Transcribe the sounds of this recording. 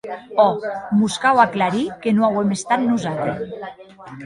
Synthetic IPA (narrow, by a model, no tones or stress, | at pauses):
ɔmuskawaklaɾikenoawemest̪at̪̚nuzat̪ɾes